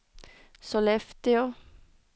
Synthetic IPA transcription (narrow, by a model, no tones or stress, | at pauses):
solɛft̪ɪo